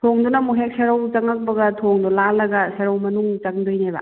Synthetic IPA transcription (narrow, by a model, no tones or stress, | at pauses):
tʰoŋdonɐmuɦek̚seɾawt͡ʃɐŋɐk̚bɐɡɐtʰoŋdɔlalɐɡɐseɾawmɐnuŋt͡ʃɐŋdojnebɐ̰